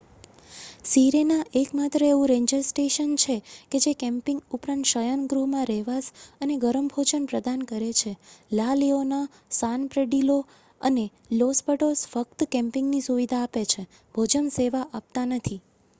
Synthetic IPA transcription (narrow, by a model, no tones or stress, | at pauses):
siɾenaʔekmat̪ɾəeʋũɾẽɲd͡ʒəɾsʈeʃənt͡ʃʰeked͡ʒekɛ̃mpɪ̃ŋɡupɾãnt̪ʃəjənɡɾuɦmãɾɛɦʋasəneɡəɾəmbʱod͡ʒənpɾəd̪ʱankəɾet͡ʃʰelaliona | sanpɾeɖilo | ə̰ne | lospəʈosfək̚t̪kɛ̃mpɪŋɡnisuʋid̪ʱaːpet͡ʃʰe | bʱod͡ʒənseʋaʔap̚t̪anət̪ʰi